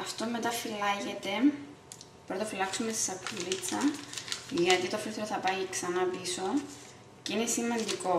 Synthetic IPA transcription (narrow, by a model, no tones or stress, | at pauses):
ɐft̪ome̞t̪ɐfilɐʝet̪e̞ | pɾot̪ofilɐksumesi̥sɐkʰːulit͡sːɐ | ʝɐt̪it̪ofilθeɾoθɐpɐiksɐnɐpiso̞ | ceinesimːɐnd̪iko̞